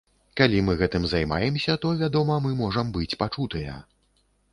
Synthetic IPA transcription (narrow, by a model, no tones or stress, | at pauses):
kalʲimɨɣɛt̪ɨmzajma̰jɛmsʲɐt̪ɔvʲad̪ɔmɐmɨmɔʐɐmbɨt͡sʲpat͡ʂut̪ɨjɐ̰